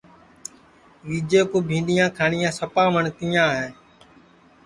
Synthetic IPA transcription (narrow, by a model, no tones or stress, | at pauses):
ʋiːd͡ʒeːkoːbʱĩːnd̪ijãːkʰaːɳɪjãːsəpaːʋəɳk̪ijãːɦeː